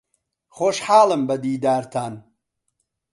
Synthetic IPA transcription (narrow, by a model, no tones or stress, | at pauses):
xoːʃħaːlˠɨmbɐd̪iːd̪aːɾt̪ʰaːn